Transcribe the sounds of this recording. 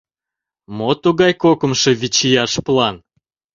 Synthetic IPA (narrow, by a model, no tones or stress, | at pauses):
mot̪uɣɑjkokə̆mʃe̽βit͡ɕijɑʃplɑn